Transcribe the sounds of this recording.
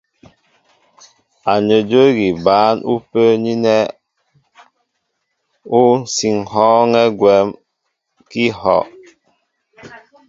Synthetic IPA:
a˨ɲə˨d͡ʒə˦ɡi˨baː˨˦nʔu˦pə˦ɲi˦nɛ˦ | u˦n̩˨si˨ŋhɔ˦ŋɛ˦ɡwɛ˨˦m | ki˦hɔ̰˨ʔ

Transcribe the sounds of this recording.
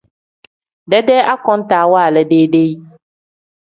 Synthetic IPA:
ɖɛ˦ɖɛ˦ʔa˦kɔ̃˦n˦t̪aː˨wɔ˦a˨lɛ˨ɖe˦ɖe˦i˦

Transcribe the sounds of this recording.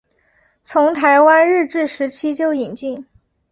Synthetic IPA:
t͡sʰʊ˧˥ŋt̪ʰa˧˥ɪwa˥nɻɻ̩˥˧ʈ͡ʂɻ̩˥˩ʂɻ̩˧˥t͡ɕʰi˥t͡ɕjo˥˩ʊi˨˩nt͡ɕi˥˩ŋ

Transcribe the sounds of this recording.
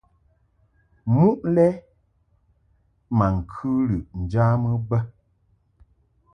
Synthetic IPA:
mu˦ʔlɛ˦ | ma˨ŋ̩˨kʰʉ˦lɨ˨ʔn̩˨d͡ʒaː˦mɨ˦bə˦

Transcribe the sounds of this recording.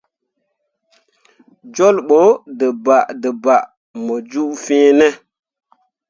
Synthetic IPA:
d͡ʒo˦lɓo˦də˨ba˨ʔdə˨ba˨ʔ | mə˨d͡ʒu˦ʔfĩ˦nɛ˦

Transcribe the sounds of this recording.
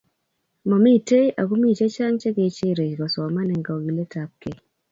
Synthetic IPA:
mɔ˨mi˦˨te˦jʔa̰˨ɡu˦mi˦˨t͡ʃe˦t͡ʃa˦ŋt͡ʃe˦ɡe˨t͡ʃe˦˨ɾe˨d͡ʒɡɔ˨sɔ˨ma˦nɛ˨ŋɡɔ˨ɡi˨le˦ta˨p̚ke˨

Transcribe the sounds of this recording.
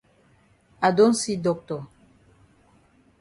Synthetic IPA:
a˨do˦n̩˦si˦dɔ˨k̚tɔ˨

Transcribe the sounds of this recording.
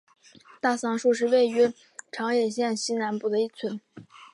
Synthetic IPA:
t̪a˥˩sɑ˥˧ŋʂu˥˧ʂ̬ɻ̩˥˧we˥˩ɪy˧˥ | ʈ͡ʂʰɑ˧˥ŋjɛ˨˩ɕjɛ˥˩nɕi˥na˧˥npu˥˩d̪ə˦i˥˩t͡sʰwə˧˥n

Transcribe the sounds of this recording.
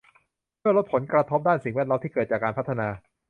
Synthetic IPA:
mɯ˥˩lo˦˥t̪̚pʰo˩˦nkɾa˧t̪ʰo˦˥p̚daː˥˩nsi˨˩ŋwɛː˥˩t̪̚o˦˥t̪iː˥˩kɤː˨˩t̪̚t͡ɕaː˨˩kːaː˧npʰa˦˥t̪ʰːa˧naː˧

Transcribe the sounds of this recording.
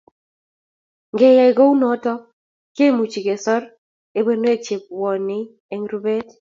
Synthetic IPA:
ŋɡɛ˨jɛ˨ɡo˦u˦nɔ˨˦tɔ˦ | ke˦mu˨t͡ʃi˨ɡe˨sɔ˦ɾ | e˦be˦n˦e˦t͡ʃe˨p̚wɔ˨nɪ˦ | ɛ˦ŋɾu˦be˦t

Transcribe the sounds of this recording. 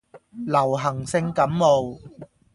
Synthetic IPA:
lɐ˨˩wɦɐ˨˩ŋsɪ˧ŋkɐ˨˥mːo˨w

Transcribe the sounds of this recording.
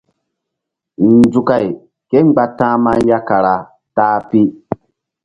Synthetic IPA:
n˨d͡zu˨ka˨j | ke˦ŋ͡mɡ͡ba˦tãː˦ma˦n˦ja˦ka˨ɾa˨ | taː˦pi˦

